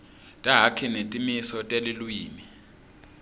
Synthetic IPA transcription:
tʼaɦakʰinetʼimisɔtʼelilwiːmi

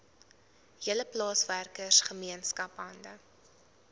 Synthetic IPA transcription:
ɦiələplɑːsværkərsχəmiənskɐpɐndə

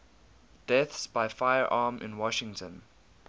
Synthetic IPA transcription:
d̥ɛθsbaɪfaɪəɹʔɑːmʔɪ̰̃nwɔʃɪ̃ŋtʰə̃n

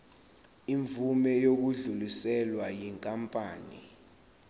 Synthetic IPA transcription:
iɱvumɛjok̬uɮulisɛlwajiŋkʼampʼaːnḭ

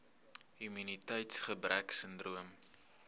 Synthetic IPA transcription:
ɦyminitɛjtsχəbræksəndruəm

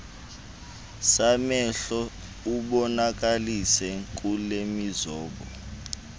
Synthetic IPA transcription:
samɛɬɔ | uɓɔnak̬ʼalisɛk̬ʼulemizɔːɓɔ

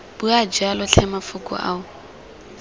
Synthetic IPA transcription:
b̥ʊad͡ʒalʊɬʰɛmafʊkʼʊ̰ʔa̰ʊ

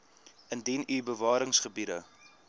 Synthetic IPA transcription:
əndɛnyːbəvɑːɾəŋsχəbiɾə

